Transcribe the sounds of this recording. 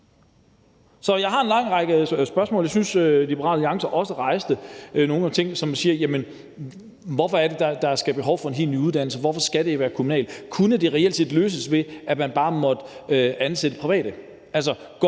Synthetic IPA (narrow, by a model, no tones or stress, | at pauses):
sɒ̽jɑ̈ɪɦɑ̈e̝nlɑ̈ŋ̰ʁɑɡ̥əsb̥ɶɐsmɔ̰ljaɪsynsølibeʁɑ̰̈ːlliɑ̈ŋsɐʔɒ̽səʁɑ̈ɪsd̥əno̝ːn̩æt͡sʰe̝ŋ̰sɒ̽msiːɐjæmən | ʋɒfɒ̽æɐd̥e̝d̥ɑd̥ɑ̈ɐsɡ̥æb̥eɦɒʊfɒ̽e̝nɦe̝̰ːlny̰ːuðˠd̥æn̰l̩səʋɒfɒ̽sɡ̥æɾ̥e̝ʋæːɐkʰumunɛ̰ːl̥kʰunəd̥e̝ʁɛel̰dse̝̰ːd̥løːs̬əsʋe̝æmænb̥ɑ̈ːmɒ̽d̥əøænsed̥əpʰʁiʋɛ̰ːd̥ə | æls̬ɒ | ɡ̥